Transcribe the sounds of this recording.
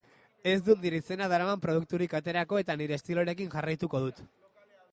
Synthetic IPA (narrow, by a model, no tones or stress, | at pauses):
e̞zd̪und̪iɾise̞naðaɾamampɾo̞ðuk̚t̪uɾikat̪e̞ɾako̞e̞t̪aniɾe̞ːst̪ilo̞ɾe̞kinʝarajt̪uko̞ðut̪